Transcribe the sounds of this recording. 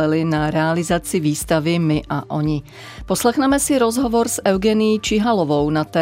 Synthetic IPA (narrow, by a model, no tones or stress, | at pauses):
ɛlɪnaɾɛalɪzat͡sɪviːst̪avɪmɪʔaʔoɲɪ | poslɛxnɛmɛsɪɾozɦɔvoɾsɛwɡɛnɪjit͡ʃɪɦalovownat̪ɛː